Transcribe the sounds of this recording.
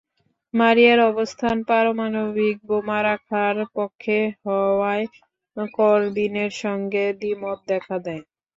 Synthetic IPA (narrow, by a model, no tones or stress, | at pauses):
maɾiaɾɔbost̪ʰanpaɾomanobik̚bomaɾakʰaɾpokʰːeɦɔae | kɔɾd̪ineɾʃɔŋɡed̪imot̪̚d̪ɛkʰad̪ɛe